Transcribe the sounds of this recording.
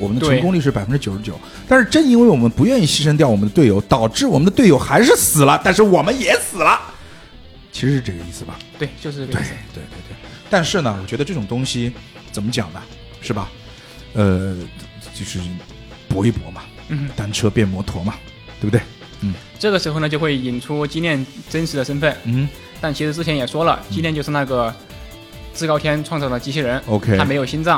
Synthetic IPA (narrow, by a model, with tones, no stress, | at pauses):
wɔ˨˩mə˦nd̪əʈ͡ʂʰkʊ˥ŋli˥˧ʂɻ̩˥˩pa˨˩ɪfə˦nʈ͡ʂɻ̩˥t͡ɕjo˨˩ʊʂɻ̩˥t͡ɕjo˨˩˦ʊ | t̪a˥˧nʂɻ̩˥˩˧ʈ͡ʂə˥ni˥nwe˥˩ɪwɔ˨˩mə˦npu˧˥ɥɛ˥˧ni˥˩ɕi˥ʂ̬ə˥ŋt̪jɑ˥˩ʊwɔ˨˩mə˦nd̪ət̪we˥˩ɪjo˧˥ʊt̪ɑ˨˩ʊʈ͡ʂɻ̩˥˩wɔ˨˩ə˦nd̪ət̪we˥˩ɪjo˧˥ʊxa˧˥ɪʂɻ̩˥˩sɹ̩˨˩lə˦t̪a˥˧nʂ̬ɻ̩˥˩wɔ˨˩mə˦njɛ˨˧˥sɹ̩˨˩lɐ˦ | t͡ɕʰi˧˥ʂɻ̩˧˥ʂ̩˥˧ʈ͡ʂɤ˥˩ɡə˧i˥˩sɹ̩˩bɐ̰˩t̪we˥˩o˥˧˥t̪we˥˧˩ɪt̪we˥˧ɪt̪we˥˧t̪we˥˩ɪ | t̪a˥˧nʂɻ̩˥˩nə˩wɔ˨˩t͡ɕɥɛ˧˥d̪ə˧ʈ͡ʂɤ˥˩ʈ͡ʂʊ˨˩ŋt̪ʊ˥ŋɕi˨ | t͡sə˨˩mə˦t͡ɕjɑ̰˨˩ŋd̪ə̰˦ | ʂɻ̩˥˩bɐ˩ | ə˧ | t͡ɕjo˥˧ʊʂɻ̩˥˧ | pwɔ˧˥i˥˩pwɔ̰˧˥mɐ˧ | n̩˥˧˥t̪a˥nʈ͡ʂʰɤ˥pjɛ˥˩nmwɔ˧˥t̪ʰwɔ˧˥mɐ˧ | t̪we˥˩bd̪we˥˩ɪ | n̩˥˩ | ʈ͡ʂɤ˥˩ɡə˩ʂɻ̩˧˥o˥˧ʊn˩t͡ɕjo˥˧xwe˥˩ɪi˨˩nʈ͡ʂʰu˥t͡ɕi˥njɛ˥˩nʈ͡ʂə˥nʂʰɻ̩˧˥d̪ə˧ʂə˥nfə˥˩n̩˥˩˥ | t̪a˥˩nt͡ɕʰi˧˥ʂɻ̩˧˥t͡sɻ̩˥˩t͡ɕʰɛ˧˥njɛ˨˩ʂwɔ˥lə̰˨t͡ɕi˥ɛ˥˧t͡ɕo˥˧ʊʂɻ̩˧na˥˩ɡə˩ | t͡sɹ̩˥˧kɑ˥ʊt̪ʰjɛ˥nʈ͡ʂʰwɑ˥˧ŋt͡sɑ˥˩ʊd̪ə˩t͡ɕi˧˥t͡ɕʰi˥ɻə˧˥no˧˥ʊkʰe˥a˥m˧˥jo˨˩ʊɕi˥nt͡sɑ˥˩ŋ